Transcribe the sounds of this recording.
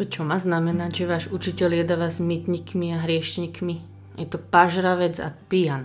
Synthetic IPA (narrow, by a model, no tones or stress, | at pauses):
t̪ɔt͡ʃɔmaːznamɛnaɟʒɛʋaːʒut͡ʃicɛljɛd̪aʋazmit̪ɲikmiaɦɾɪɛʃɲikmi | jɛt̪ɔpaʒɾaʋɛd͡za̰pijan